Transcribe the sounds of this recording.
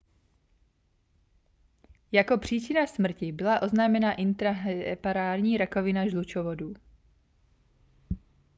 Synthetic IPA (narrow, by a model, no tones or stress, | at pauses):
jako̞pr̝̥iːt͡ʃɪnasmr̩cɪbɪlaʔo̞znaːmɛnaʔɪnt̪ɾapaɾaːɾɲiːɾakovɪnaʒlut͡ʃovoduː